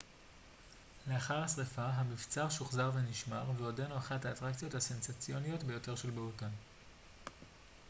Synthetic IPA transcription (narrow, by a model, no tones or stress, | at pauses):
le̞aχaʁhasʁefaɦamift͡saʁʃuχzaʁve̞niʃmaʁveo̞denoaχathaːtʁakt͡sijo̞thase̞nsat͡sijo̞nijo̞tbe̞jo̞te̞ʁʃe̞lbeutan